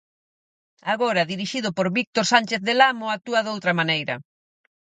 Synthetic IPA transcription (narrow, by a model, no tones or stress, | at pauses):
aɣoɾɐðiɾiʃiðʊpoɾβik̚t̪oɾsanʲt͡ʃeθðelamʊat̪uɐðowt̪ɾɐmanejɾɐ̰